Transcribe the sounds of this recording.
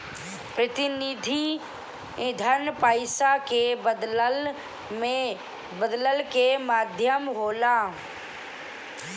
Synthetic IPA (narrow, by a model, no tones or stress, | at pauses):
pɾət̪ɪnid̪ʱi | d̪ʱəɾnpaːɪsakebə | me | bəd̪ləlkemaːd̪ʱjəmɦoːla